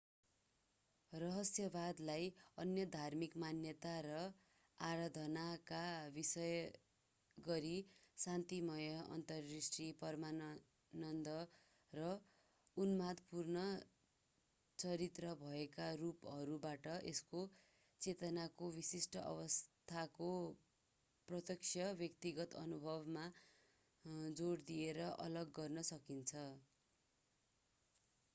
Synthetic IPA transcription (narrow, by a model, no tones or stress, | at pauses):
rʌɦʌsjʌbad̪lajʌnjʌd̪ʱarmikmanjʌt̪aɾʌ | aɾad̪ʱʌnakabisʌj | ɡʌɾisant̪imʌjʌʔʌ̰nt̪ʌrːisʈripʌrma | nʌnd̪ʌ | rʌ | unmad̪purnʌ | t͡sʌɾit̪rʌbʱʌekarupʌɾubaʈʌʔesko | t͡set̪ʌnakobisisʈʌʔʌ̰βʌst̪ʰako | prʌt̪jʌksʰjʌbjʌkt̪iɡʌt̪ʌ̰nubʱʌbma | d͡zoɽd̪ieɾʌʔʌ̰lʌɡːʌrnʌsʌkint͡sʰʌ